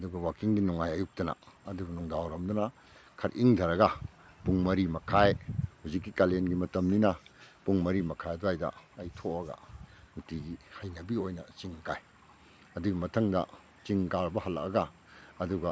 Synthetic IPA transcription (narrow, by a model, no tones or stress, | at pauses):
ɐduɡɐwakiŋɡinuŋajɐjuk̚tɐnɐ̰ɐduɡɐnuŋdawɾɐmdunɐ | kʰɐɾʔiŋdʰʱɐɾɐɡɐ | puŋmɐɾimɐkʰajhuzikːikalenɡimɐtɐmninɐpuŋmɐɾimɐkʰajɐduajdɐ̰ɐjtʰoɐɡɐ̰nutiɡihajnɐbiojnɐ̰t͡ʃiŋkaj | ɐduɡimɐtʰɐŋdɐ̰ | t͡ʃiŋkaɾbɐhɐlːɐ̰k̚ɐɡɐ | ɐduɡɐ